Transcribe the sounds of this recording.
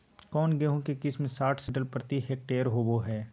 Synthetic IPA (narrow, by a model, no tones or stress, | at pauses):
kɔːnɡeɦõkekɪsmẽsaːʈʰsɪʈəlpɾət̪iɦeʈeːəɾɦoːboɦɛː